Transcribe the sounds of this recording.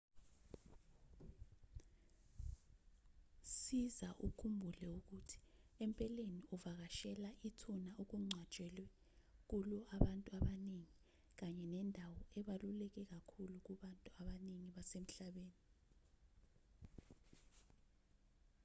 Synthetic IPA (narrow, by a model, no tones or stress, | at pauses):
sizaʔṵkʰumbʱulɛuk̬utʰi̥empʼɛleniuvak̬aʃɛlaʔitʰunaok̬uŋ͡ǀʱḁt͡ʃʼɛlwɛ | k̬ulɔʔaɓantʼuaɓaneŋi | k̬aɲɛnɛndʱawɔɛɓalulɛk̬ɛk̬akʰuluk̬uɓantʼuaɓaneŋiɓasem̩ɬaɓeːni